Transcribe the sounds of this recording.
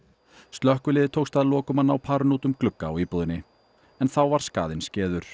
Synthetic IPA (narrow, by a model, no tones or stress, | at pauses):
st̪lœhkʏlɪːðɪt̪ʰoːwkst̪aðlɔːkʏmanːawpʰaːɾʏnuːt̪ʏmklʏkːaa̰wiːpuðɪnːɪ | ɛnθawvaɾ̥ska̰ːðɪnscɛːðʏɾ̥